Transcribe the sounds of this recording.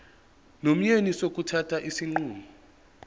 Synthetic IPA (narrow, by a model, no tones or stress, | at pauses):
nom̩ɲenisok̬ʼutʰatʰaʔisiŋ͡ǃuːmɔ